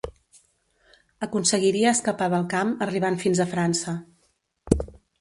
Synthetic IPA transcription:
əkunsəɣiɾiəːskəpaβəlˠkaməriβ̞aɱfinzəfɾansə

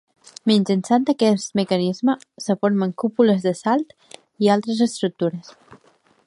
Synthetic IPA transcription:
minʲd͡ʒənsant̪əkɛst̪məkənizməsəfoɾməŋkupuləzðəsalˠt̪ | ialˠt̪ɾəzəst̪ɾuk̚t̪uɾəs

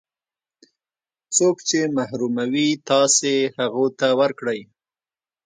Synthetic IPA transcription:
t͡sokt͡ʃemahɾumawit̪ɑsehaɣot̪awəɾkɽəj

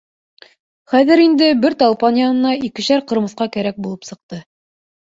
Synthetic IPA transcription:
χæðɘ̆ɾind̪ɘbɘɾt̪ɑlˠpɑnjɑnɤ̆nɑikɘ̆ɕæɾqɤ̆ɾmɤ̆θqɑkæɾæk̚bulˠɤpsɤ̆q̚t̪ɤ

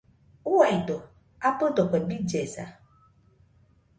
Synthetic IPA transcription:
ʊwaido | apʊdɔkʷɛbid͡ʒesa̰

